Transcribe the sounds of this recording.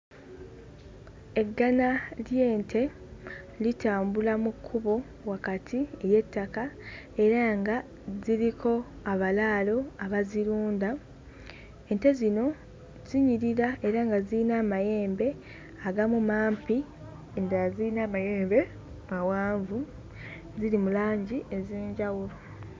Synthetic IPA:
e̞ɡːanalje̞ːntʰe̞ | litaːmbulamukʰːuβo̞ | wakatʰie̞ɾje̞tːaka | e̞ɾaŋɡa | ziɾikʰo̞ | aβalaːlo̞aβaziɾuːnda | e̞nte̞zino̞ | ziɲiɾiɾaʔe̞ɾaŋɡaziinaːmaje̞ːmbe̞ | aɡamumaːmpi | endaziinaːmaje̞ːmbe̞ | mawaːɱvu | ziɾimulaːɲɟiʔe̞ze̞ːɲɟawulo

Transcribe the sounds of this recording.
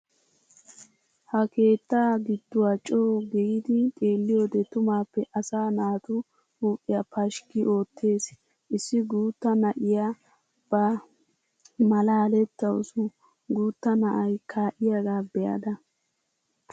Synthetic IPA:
hɐke̞ːt̪ːaːɡɪd̪ːʊwat͡ʃʼoːɡɛjɪd̪ɪt̪ʼe̞ːlːɪjo̞ːd̪ɛt̪ʊmaːpːɛʔɐsaːnaːt̪ʊ | huːʔʼːɪjapɐʃkɪʔo̞ːt̪ʰːe̞ːs | ʔɪsːɪɡuːt̪ːɐnɐʔɪja | b̥ɐ | mɐlaːlɛt̪ːɐʊ̰sʊ | ɡuːt̪ːɐnɐʔɐjkʰaːʔɪjaɡaːbɛjɐ̰d̪ɐ

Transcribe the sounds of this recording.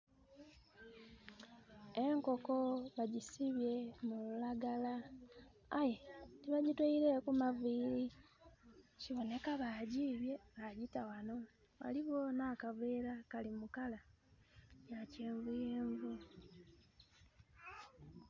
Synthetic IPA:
e̞ŋko̞koβaɟisiβje̞mululaɡalaː | je̞tiβaɟitwaiɾe̞kumaviːɾi | ciβo̞ne̞kaβaːɟiβje̞βaɟitawano̞ | βa̰liβo̞nakaveːɾakalimukala | jaceːɱvujeːɱvu

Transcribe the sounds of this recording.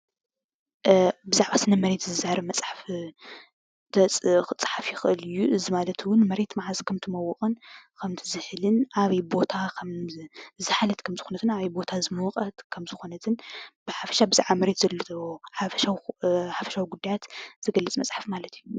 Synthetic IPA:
bɨzaʕβasɨnɐmɐɾe̞t̪zɨzaaɾɐmɐt͡sʼħaf | t̪ʰɐt͡sʼxɨt͡sʼħafjɪxɨʔɨlɨjːuʔɨzimalɐt̪ʰwʊnmɐɾe̞t̪maʕazkʰɐmt̪ʰɨmɐwːɨχʼɨnkʰɐmt̪ʰɨzɨħlɨnaβɐjbo̞t̪ʰakʰɐmzɨħalɐt̪kʰɐmzɨ̥xonɐt̪ʰɨnaβɐjbo̞t̪ʰazɨmoqʼɐt̪kʰɐmzɨxo̞nɐt̪ʰɨnb̥ɨħafɐ̥ʃabɨzaʕβamɐɾe̞t̪zɐlːoħafɐʃawħafɐ̥ʃawiɡud̪ːajat̪z̥ɨɡɐlːɐt͡sʼmɐt͡sʼħafmalɐt̪ʰiju

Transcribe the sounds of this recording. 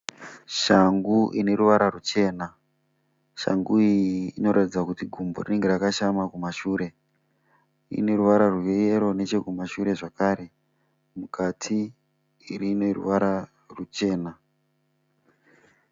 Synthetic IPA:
ʃaŋɡuʔine̞ɾuʋaɾarut͡ʃe̞ːna | ʃa̰ŋɡuijːno̞ɾatid͡zakutiɡʱumbo̰rine̞ŋɡe̞rakaʃamakumaʃuːɾe̞ | ḭne̞ɾuʋaɾaruʋejeɾo̞ne̞t͡ʃe̞kumaʃuɾe̞ʐakaɾe̞ | mukatʰiː | rinerṵʋaɾa | rut͡ʃe̞ːna

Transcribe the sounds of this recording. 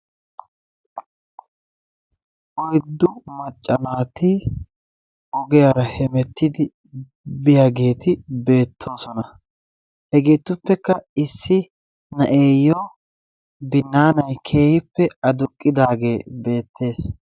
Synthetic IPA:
ʔɔjd̪ːʊmɐt͡ʃʼːɐnaːt̪ɪ | ɔɡɛjɐɾɐhɛmɛt̪ːɪd̪ɪ | bɪjaɡe̞ːt̪ɪbe̞ːt̪ʰːo̞ːsɔnɐ | hɛɡeːt̪ːʊpːɛkːɐɪsːɪ | nɐʔe̞ːjːoː | bɪnːaːnɐjkʰe̞ːhɪpːɛɐd̪ʊkʼːɪd̪aːɡe̞ːbe̞ːt̪ʰːe̞ːs

